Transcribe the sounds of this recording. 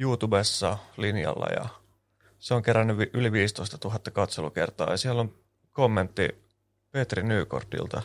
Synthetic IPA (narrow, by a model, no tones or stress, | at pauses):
juːt̪ubesːɑlinjɑ̰lːɑ̰jɑ̰ | seoŋkeɾænːyʋʔyliʋiːst̪o̞st̪ɑt̪uɦɑt̪ːɑkɑt̪seluke̞rt̪ɑ̰ːjɑsielːom | komːent̪ːi | pet̪rinyːko̰rt̪ḭlt̪ɑ